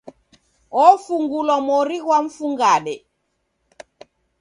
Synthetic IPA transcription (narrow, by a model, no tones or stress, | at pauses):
ɔfuŋɡulwamɔɾiɣwaɱ̩fuŋɡaɗɛ